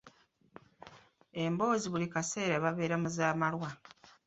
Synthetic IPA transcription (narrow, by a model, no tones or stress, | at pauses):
e̞mbo̞ːziβulikase̞ːɾaβaβe̞ːɾamuzaːmalwa